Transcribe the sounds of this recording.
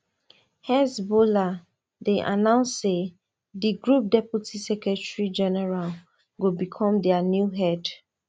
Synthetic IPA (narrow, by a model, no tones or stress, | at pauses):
hɛsbola | deʔa̰nãʊ̃nsːe | diɡɹup̚dɛputisɛkɹɛtɹid͡ʒɛnɛɹal | ɡobikʰɔ̃mdɛanjuɦɛd